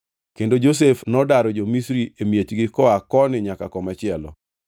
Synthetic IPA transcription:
kendod͡ʒos̬efnɔdaɾɔd͡ʒomisɾiemjet͡ʃɡɪkɔakɔnɪɲakakɔmɛt͡ʃɪɛlɔ̰

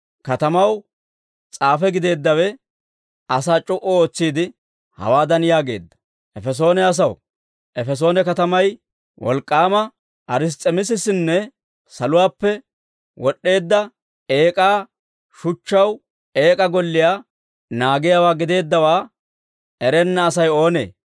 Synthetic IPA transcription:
kɐt̪ɐmɐw | t͡sʼaːfɛɡɪd̪e̞ːd̪ːɐwɛ | ɐsaːt͡ʃʼʊʔɔo̞ːt͡sːiːd̪ɪ | hɐ̰waːd̪ɐnjaːɡe̞̰ːd̪ːɐ̥ | ʔɛfɛs̬o̞ːnɛɐs̬ɐw | ʔɛfɛs̬o̞ːnɛkɐt̪ɐmɐj | wʔɔ̰lkʼːaːmɐ | ʔɐɾɪs̬t̪ʼːɛmɪs̬ɪsɪnːɛ | sɐlʊwaːpːɛ | wɔɗːe̞ːd̪ːɐ | e̞ːkʼaː | ʃʊt͡ʃːɐw | e̞ːkʼɐɡɔlːɪjaː | naːɡɪjaːwaːɡɪd̪e̞ːd̪ːɐwaː | ɛɾɛnːɐːsɐjo̞ːnḛː

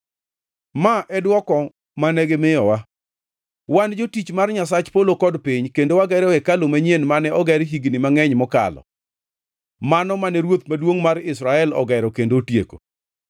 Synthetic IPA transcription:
maʔɛdwɔkɔ | manɛɡemɪjɔwa | wand͡ʒotit͡ʃmarɲas̬at͡ʃpolokɔdpiɲkendowaɡɛɾɛwɛkalomaɲjenmanɛɔɡɛɾɦiɡnɪmaŋɛɲmɔka̰lɔ̰ | manɔmanɛɾwot̪̚madwoŋmaɾɪsɾaɛlɔ̰ɡɛɾɔkendotjḛko̰

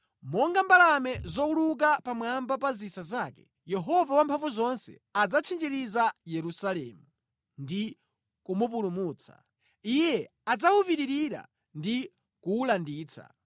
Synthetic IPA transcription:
mɔŋɡambalamɛzɔuluk̬apamwambapazisazaːkɛ̰ | jɛɦɔvawampʰaɱvuzɔnsɛ̰ad͡zat͡ʃʰind͡ʒiɾizajɛɾusalɛ̰ːmu | ndi | kumup̬ulumuːt͡sʰa̰ | ijɛ | ad͡zaupiɾiɾiɾa̰ | ndi | kuːlandiːt͡sʰa̰

